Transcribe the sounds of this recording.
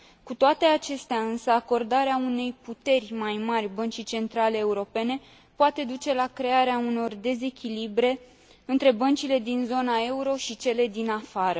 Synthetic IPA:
kut̪oat̪e̞at͡ʃe̞st̪eaɨnsəako̞rd̪aɾeaune̞jput̪e̞rʲmajmarʲbənt͡ʃit͡ʃe̞nt̪ɾaleːuɾo̞pe̞ne̞ | poat̪e̞d̪ut͡ʃe̞lakɾe̞aɾeauno̞rd̪e̞ze̞kʲilibɾe̞ | ɨnt̪ɾe̞bənt͡ʃile̞d̪inzo̞nae̞uɾo̞ʃit͡ʃe̞le̞d̪inafaɾə

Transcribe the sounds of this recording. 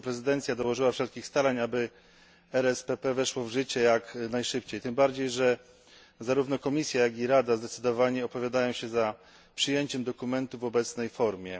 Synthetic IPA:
pɾɛzɘd̪ɛnt̪sʲjad̪ɔwɔʐɘwafʂɛlkʲixst̪aɾaɲabɘ | ɛɾɛspɛpɛvɛʂwɔvʐɘt͡ɕɛjaknajʂɘpt͡ɕejt̪ɘmbaɾd͡ʑejʐɛ | zaɾuvn̪ɔkɔmʲisʲjajaɡʲiɾad̪azd̪ɛt̪sɘd̪ɔvaɲɛɔpɔvʲjad̪ajɔ̃w̃ɕɛza | pʂɘjeɲt͡ɕɛmd̪ɔkumɛnt̪uvɔbɛt̪snɛjfɔɾmʲjɛ

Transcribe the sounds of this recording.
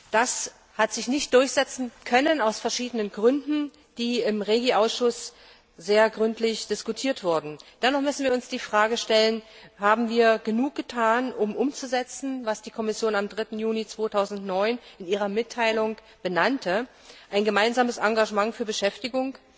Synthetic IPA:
d̥as | hatz̥ɪçnɪçt̚d̥ʊɐçz̥ɛt͡sn̩kʰœnənaʊsfɛɐʃiːdənənɡʁʏndn̩ | d̥iːɪmʁeːɡiʔaʊsʃʊs | z̥eːɐɡʁʏntʰlɪçd̥ɪskutʰiːɐtv̥ʊɐdn̩d̥ɛnɔχmʏsn̩viːɐʊnsd̥iːfʁ̥aːɡəʃtɛlənhaːbm̩viːɐɡənuːk̚ɡ̥ətʰaːnʔʊmʔʊmt͡suzɛt͡sn̩vasd̥iːkʰɔmɪsjoːnamdʁɪtn̩juːnit͡sv̥oːtʰaʊzn̩tnɔʏnɪniːʁ̞ɐmɪtʰːaɪlʊŋ | b̥ənantʰə | ʔaɪnɡəmaɪnzaːməsʔaŋɡaʒəmaŋfyːɐbəʃɛftɪɡʊŋ

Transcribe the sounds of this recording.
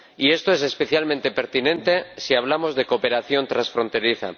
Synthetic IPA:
ie̞st̪oe̞se̞speθjalmẽnt̪epe̞ɾt̪inẽ̞nt̪e̞siaβ̞lamo̞zðe̞kope̞ɾaθjo̞nt̪ɾansfɾo̞nt̪e̞ɾiθa̰

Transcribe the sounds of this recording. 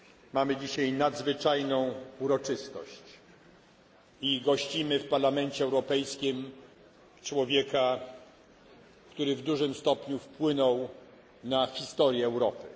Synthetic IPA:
mamɘd͡ʑiɕajnad̪zvɘt͡ʂajnɔ̃w̃uɾɔt͡ʂɘst̪ɔ̰ɕt͡ɕ | iɡɔɕt͡ɕimɘfpaɾlamɛɲt͡ɕɛːwɾɔpɛjskʲim | t͡ʂwɔvʲjɛka | kt̪uɾɘvd̪uʐɘmst̪ɔpɲufpwɘnɔw | naxʲist̪ɔɾʲjɛːwɾɔpɘ̰

